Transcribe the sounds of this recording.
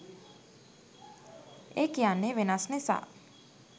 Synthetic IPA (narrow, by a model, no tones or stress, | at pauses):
ekjaneʋɪnasnesa̰